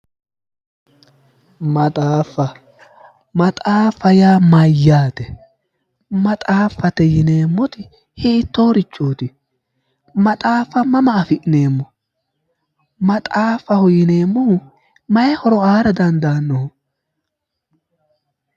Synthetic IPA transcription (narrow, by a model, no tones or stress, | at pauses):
mɐt̪ʼaːfːɐ | mɐt̪ʼaːfɐjaːmɐjːaːt̪ɛ | mɐt̪ʼaːfːɐt̪ɛjɪne̞ːmːɔt̪ɪ | hɪːt̪ːoːɾɪt͡ʃʼːoːt̪ɪ | mɐt̪ʼaːfɐmɐmɐːfɪʔne̞ːmːɔ | mɐt̪ʼaːfɐhʊjɪne̞ːmːɔhʊ | mɐjɛhɔɾɔaːɾɐd̪ɐnd̪aːnːɔhʊ